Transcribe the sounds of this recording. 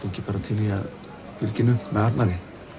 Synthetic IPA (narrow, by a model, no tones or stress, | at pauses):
iɲcɪpaːɾat̪ʰɪliað | fɪlcɪnːʏmɛaɾnaɾɪ